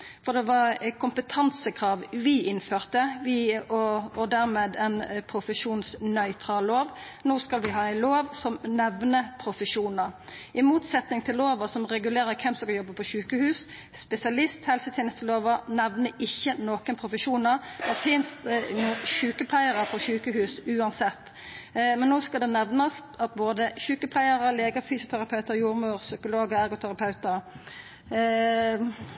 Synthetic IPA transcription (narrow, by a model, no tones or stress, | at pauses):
fɔʁd̪ɛʋɑʁkʰʊmpət̪ʰɑnsəkʰʁɑːʋʋɪʔɪnføːʁt̪əʋɪɔɔd̪æʁmeːd̪ɛnpʰɾʊfəʃuːnsnœʏt̪ʰɾɑlːoːʋ | noːskɑlʋɪɦɑːæɪloːʋsɔmnɛʋnəpʰɾʊfəʂuːnəɾʔɪmuːt̪sɛt̪nɪŋt̪ʰɪlːoːʋəsɔmʁɛɡʉleːɾəkʰɛmsɔkɑjɔbːəpʰɔʃʉːkəhʉːs | spɛsɪɑlɪst̪hɛlsət̪ʰeːnəst̪əloːʋənɛʋnəʔɪçːənoːkənpʰɾʊfəʃuːnəɾd̪ɛfɪnst̪nuːçʉːkəpʰlæɪəʁəpʰɔɕʉːkəhʉːsʉːɑnsɛt̪ː | mɛnːoːskɑd̪ɛnɛʋnɑst̪ɑt̪̚boːd̪əçʉːkəpʰlæɪəʁəleːɡəfyːsʊt̪ʰæɾɑpʰɑʉt̪əɾjuːɾmʉːʁsʏkʊloːɡəæɾɡʊt̪ʰæɾɑpʰɑʉt̪əɾ